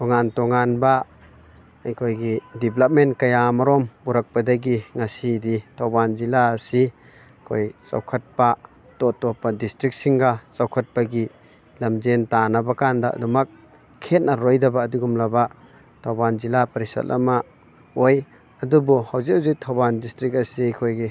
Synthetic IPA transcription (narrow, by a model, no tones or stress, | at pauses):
tɔŋantɔŋanba | ɐjkʰojɡidiblap̚menkɐjamaɾɔmbuɾɐk̚padɐɡiŋasiditʰawbanzilaːsi | kʰojsa̰wkʰɐt̚pa | tɔtɔpːadistɾik̚siŋɡasawkʰɐt̚paɡi | lɐmzentanɐbakanda̰dumɐk̚ʰː | et̚nɐɾojdɐbaːduɡumlɐba | tʰawbanzilapɐɾisa̰t̚lɐ̰ma | oj | ɐdubuhawziwzitʰawbandistɾik̬ɐsiajkʰojɡi